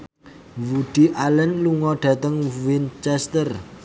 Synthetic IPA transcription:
wuɖ̥i̤ʔalɛnluŋɔɖ̥ä̤t̪əŋwint͡ʃɛst̪ər

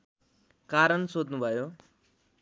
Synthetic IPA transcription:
kaɾənsod̪nũbʱajo

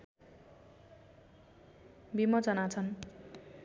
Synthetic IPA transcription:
bimʌt͡sʌnat͡sʰʌn

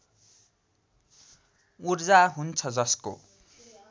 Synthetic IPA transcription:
urd͡zaɦunt͡sʰʌd͡zʌsko̰

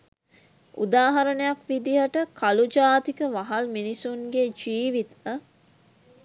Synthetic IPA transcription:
ṵd̪aːɦɐɾənejakʋid̪iɦəʈəkʰɐlud͡ʒaːt̪ikəʋɐɦɐlminisuŋɡed͡ʒiːʋit̪ə

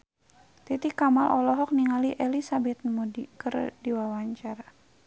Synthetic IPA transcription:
t̪it̪ikamalʔɔlɔɦɔk̚niŋaliʔɛlisabɛt̪̚mudikɨrdiwawaɲt͡ʃaɾa

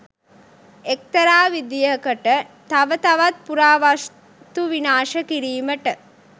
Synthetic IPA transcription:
ek̚t̪ɐɾaːʋid̪ijəkəʈət̪aʋət̪ɐʋat̪̚puɾaːʋas | t̪uʋinaːʃəkiɾiːməʈə

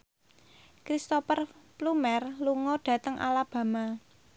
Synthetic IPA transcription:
kɾist̪opərplumɛrluŋɔɖ̥ä̤t̪əŋʔa̰lab̥ä̤ma

